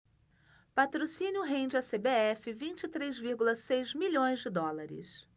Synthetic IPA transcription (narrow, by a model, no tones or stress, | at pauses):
pat̪ɾosĩnjʊɦẽd͡ʒɪasebeɛfɪvĩnt͡ʃɪit̪ɾejzviɾɡulɐsejzmiʎõj̃zd͡ʒɪd̪ɔlaɾɪ̰s